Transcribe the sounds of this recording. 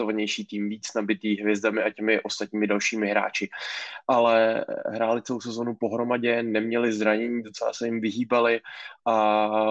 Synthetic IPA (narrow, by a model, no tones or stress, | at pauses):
ovaɲɛjʃiːt̪iːmviːt͡snabɪt̪iːɦvjɛzdamɪʔacɛmɪʔo̞st̪at̪̚ɲiːmɪdalʃiːmɪɦɾa̰ːt͡ʃɪʔalɛɦɾaːlɪt͡sɛlowsɛzonupo̞ɦɾo̞maɟɛnɛmɲɛlɪzɾaɲɛɲiːdot͡sɛla̰sɛjɪmvɪɦiːbalɪʔa